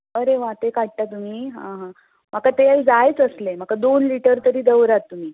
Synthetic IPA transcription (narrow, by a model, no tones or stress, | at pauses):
əɾeʋat̪ekaʈ̚ʈat̪um̤iːɦã̰ɦã | m̤əkat̪ead͡zajt͡səslem̤əkad̪onliʈəɾt̪əɾiːd̪əwɾat̪ːum̤iː